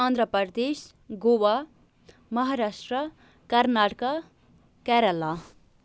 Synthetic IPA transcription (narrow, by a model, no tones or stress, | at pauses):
ʌnd̪ɾʌpʌɾd̪es | ɡowa | mʌɦaɾasʈrʌ | kʌrnaʈʌka | kɛɾʌlːa